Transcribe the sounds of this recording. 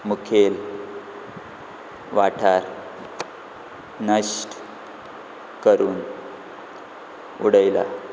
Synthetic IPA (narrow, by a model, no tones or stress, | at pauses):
mukʰel | ʋaʈʰaɾ | nəɕʈ | kəɾuːn | uɽəjla̰